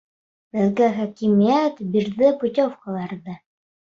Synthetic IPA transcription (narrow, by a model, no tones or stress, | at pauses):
b̥ɘ̆ðɡæχækimijæt̪biɾðɘput̪ʲofqɑlˠɑɾðɤ